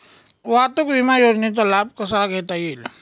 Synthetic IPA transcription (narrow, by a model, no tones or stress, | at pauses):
ʋat̪ukʋimajoɾnit̪̬ɔlab̚kəsaɡʱɛt̪ajil